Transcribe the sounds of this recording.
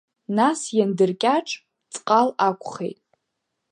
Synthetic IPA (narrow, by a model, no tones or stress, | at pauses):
nasjandɨrkʲʼaʈ͡ʂʼ | t͡sʼqʼalakʷʰʼχḛjtʼ